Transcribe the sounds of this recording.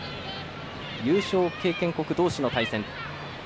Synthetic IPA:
jɯ̟ːɕo̞ːke̞ːkẽ̞ŋko̞kɯ̟d̪o̞ːɕino̞t̪aisẽ̞n

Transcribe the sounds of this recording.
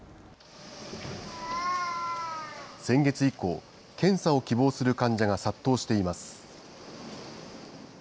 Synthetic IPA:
sẽ̞ŋɡe̞t͡sɨiko̞̰ː | kẽ̞ɰ̃sao̞kʲibo̞ːsɨɾɯ̟kãɲ̟d͡ʑaɡasat̪ːo̞ːɕi̥t̪e̞imasɨ̥

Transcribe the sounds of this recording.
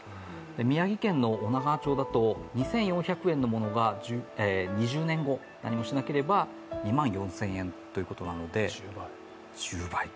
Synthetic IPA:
d̪e̞mʲijaɡʲikẽ̞nːo̞ːnaɡaːt͡ɕo̞ːd̪at̪o̞ɲ̟isẽ̞ɰ̃jõ̞ɰ̃çʲakɯ̟ẽ̞nːo̞mo̞no̞ɡad͡ʑeɲ̟iʑɨːnẽ̞ŋɡo̞ | na̰ɲ̟imo̞ɕinake̞ɾe̞ba | ɲ̟imãɰ̃jõ̞ɰ̃sẽ̞ɰ̃ẽ̞nt̪ojɯ̟ko̞t̪o̞nano̞d̪e̞ | t͡ɕɨːbai

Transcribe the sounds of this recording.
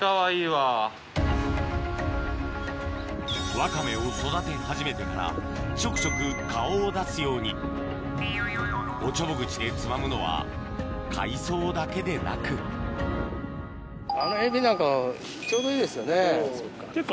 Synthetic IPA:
aβaiːβa | βakame̞oso̞d̪at̪e̞haʑime̞t̪e̞maɾa̰ | t͡ɕo̞kɯ̟̥t͡ɕo̞kɯ̟kaoːd̪asɨjo̞ːɲ̟i | o̞t͡ɕo̞boɡɯ̟t͡ɕid̪e̞t͡sɨmamɯ̟no̞βa̰ | kʰa̰iso̞ːd̪ake̞d̪e̞na̰kɯ̟ | anoebʲinãŋka | t͡ɕo̞ːd̪o̞iːd̪e̞sɨjo̞ne

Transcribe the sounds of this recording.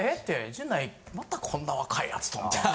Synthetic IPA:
et̪ːed͡ʑɨ̃nːai | mat̪akʰõ̞nːaβakʰaia̰t͡sɨ̥t̪omt̪

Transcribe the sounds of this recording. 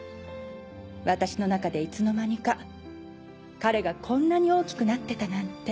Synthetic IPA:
βat̪aɕino̞nakad̪e̞it͡sɨno̞maɲ̟ika | kaɾe̞ɡakʰõ̞nːaɲ̟io̞ːkʲi̥kɯ̟nat̪ːe̞t̪anãnt̪ːe̞

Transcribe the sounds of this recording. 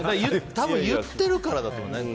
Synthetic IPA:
jɯt̪abɯ̟̃ɰ̃jɯt̪ːe̞ɾɯ̟kaɾad̪at̪one

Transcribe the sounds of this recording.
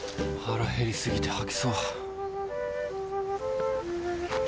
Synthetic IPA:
haɾaheɾʲisɨɡʲit̪e̞hakʲi̥soː

